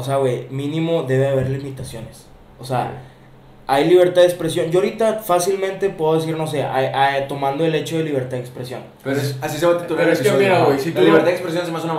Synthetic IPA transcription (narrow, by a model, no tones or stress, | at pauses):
oseawejmĩnĩmo̞ðe̞βeaβe̞ɾlimit̪asjo̞nes | osea̰ | ajliβe̞ɾt̪aðekspɾesjo̞nd͡ʒoaoɾit̪afasilmẽnt̪e̞pweðoes̬iɾno̞se̞ʔajʔat̪o̞mãnd̪oe̞le̞t͡ʃo̞ðe̞liβ̞e̞ɾt̪aðekspɾesjo̰n | eseasiseβat̪it̪ulaiɾawejsit̪uliβeɾt̪aðekspɾesjonsemasuna